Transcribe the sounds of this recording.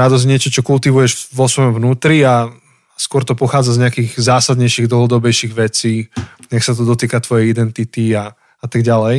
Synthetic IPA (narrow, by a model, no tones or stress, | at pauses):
ɾad̪ɔzɲɪɛt͡ʃɔt͡ʃɔkult̪iʋujɛʒʋɔsʋɔjɔmvnuːt̪ɾia | skɔɾt̪ɔpɔxaːd͡zazɲɛakiːɣzaːsad̪ɲɛjʃiːɣd̪l̩ˠɦɔd̪ɔbɛjʃiːɣʋɛt͡siː | ɲaksat̪̬ɔd̪ɔt̪iːkat̪ʋɔjɛjid̪ɛnt̪it̪ia | at̪aɡɟalɛj